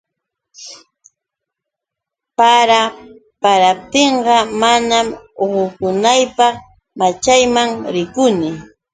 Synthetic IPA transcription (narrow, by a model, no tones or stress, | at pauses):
paɾa | paɾap̚t̪eɴɢɑmanamoɢʊkʊnajpɑχ | mat͡ʃajmaŋɾɪkʊnɪ